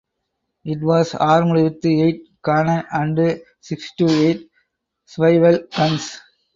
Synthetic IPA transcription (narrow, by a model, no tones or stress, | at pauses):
ɪʈ̬ʋaːsaːɾmɐlɪt̪ːɯeɪʈ̚kaːnɐnʔɐɳɖɯ | sɪksʈuːeɪʈ | sʋɐɪʋɐlkɐ̃ns